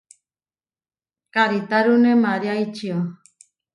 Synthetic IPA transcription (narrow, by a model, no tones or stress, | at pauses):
kaɾit̪aɾunemaɾjait͡ʃio